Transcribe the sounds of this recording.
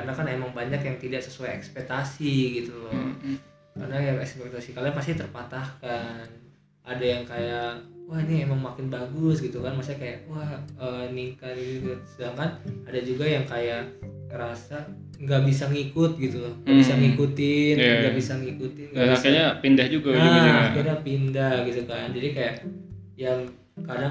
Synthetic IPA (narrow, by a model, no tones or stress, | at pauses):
karnakanemaŋbaɲakjaŋt̪idaʔsəsuajɛkspɛk̚t̪asiɡit̪ulɔ | karnajaɛkspɛk̚t̪asikalaapast̪it̪ərpat̪ahkan | ʔadajaŋkajakwahniemaŋmakɪnbaɡʊsɡit̪ukanmasiɲakajaʔwahəniŋkanit̪t̪usədaŋkanadad͡ʒuɡajaŋkajaʔ | əɾasa | ŋɡaʔbisaŋikʊt̪̚ɡit̪ulɔhŋɡbisaŋikut̪ɪnɡabisaŋikut̪ɪnɡaakaɲapindahd͡ʒuɡaakəɾapindahɡit̪ukand͡ʒadikajaʔ | jaŋ | kada